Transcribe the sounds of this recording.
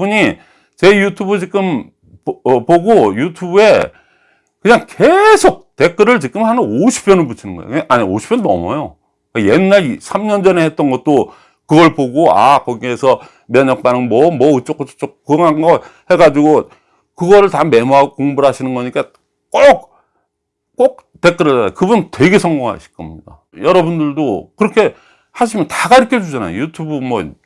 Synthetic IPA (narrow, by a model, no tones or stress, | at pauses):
uɲi | t͡ɕe̞jutʰubɯt͡ɕikɯm | ʌpoɡojutʰubue̞ | kɯɲaŋkesʰok̚te̞k͈ɯɾɯɭt͡ɕikɯmhanɯnoɕʰi̥p͈̚ʰjʌnɯɭput͡ɕʰinɯnɡʌ̰jo̰kʔaɲioɕʰi̥pʰjʌnnʌ̰mʌjo | kajenːaɭsʰamɲʌnd͡ʑʌnehet̚t͈ʌnɡʌt̚t͈o | kɯɡʌɭpoɡoa̰kʌɡiesʰʌ | mjʌɲʌk̚p͈anɯŋmʌmwʌɯt͡ɕ͈ok͈ʰːot͡ɕʰo̥t͡ɕ͈ok̚kɯŋaŋɡʌhe̞ɡad͡ʑiɡo | kɯɡʌɾɯɭtame̞muɦaɡokoŋbuɾɦaɕʰinɯnɡʌɲik͈a | k͈ok̚ | k͈ok̚ | te̞k͈ɯɾʌd͡ʑʌdakɯbuntwe̞ɡe̞sʰʌŋɡoŋɦa̰ɕʰi̥k͈ʌmɲida̰ | jʌɾʌbundɯɭdokɯɾʌkʰe̞ | haɕ̬ʰimjʌntaɡaiɾʌkʰed͡ʑud͡ʑana̰jo̰jutʰubumʌ